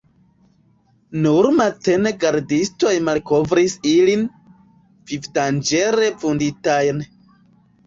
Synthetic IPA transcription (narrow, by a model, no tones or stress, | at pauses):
nuɾmate̞neɡaɾdisto̞jmalko̞vɾisilin | v̥ifdand͡ʒe̞ɾe̞funditajn